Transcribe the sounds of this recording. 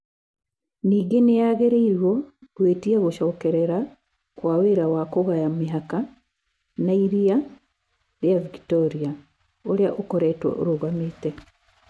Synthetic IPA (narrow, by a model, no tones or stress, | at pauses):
niːɡenejaɣeɾeiɾwɔɣweːtiaɣoʃɔːkɛɾɛɾa | kwaweːɾawakoɣajameɦaka | naiɾia | ɾjavikitɔɾia | oɾeaʔokɔɾɛtwɔ̰ʔo̰ɾoɣameːtɛ